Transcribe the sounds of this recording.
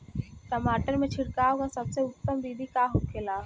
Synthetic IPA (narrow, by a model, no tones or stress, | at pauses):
kəmaːʈəɾmẽt͡ʃʰɪɽkaːokasɐbseʊt̪ːəmd̪iːd̪ʱikaːɦokʰeːlaː